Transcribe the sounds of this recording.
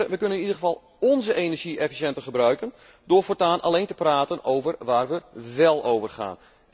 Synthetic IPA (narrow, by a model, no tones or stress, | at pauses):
ʋəkønənɪnidəɣəvɑlˠ | ɔnzəʔenɛrʒiʔɛfi̥sjɛntərχəbrœɥkən | dʊːrfɔrtaːnʔa̰lejntəpraːtənowvərʋaːrʋəʋɛlˠowvərχa̰ːn